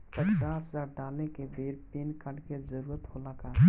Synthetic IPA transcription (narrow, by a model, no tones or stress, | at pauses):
pət͡ʃaːsəzaːɾɖaːlnekebʱeːɾpiːnkəɽkezəɾuːɾət̪ɦolakaː